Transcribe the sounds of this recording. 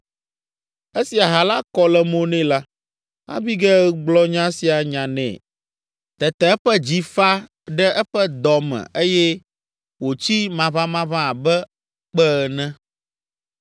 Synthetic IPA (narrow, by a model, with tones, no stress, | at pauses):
e˦si˨a˨ɦa˨la˦kɔ˦lɛ˨mõ˦nɛ̃˦la˦ | a̰˦bi˦ɡɛ˦ɡ͡blɔ˦ɲã˦si˨a˨ɲã˨nɛ̰̃˨ | t̪ɛ˨t̪ɛ˨ɛ˦ɸɛ˦d͡ʑi˦fa˦ | ɖɛ˦ʔɛ˦ɸɛ˦d̪ɔ˨mɛ̰̃˨ʔe˦jɛ˦ | wo˨t͡ɕi˦mã˨βã˦mã˦βã˦˨bɛ˦ | k͡pɛ˦˨nɛ̃˦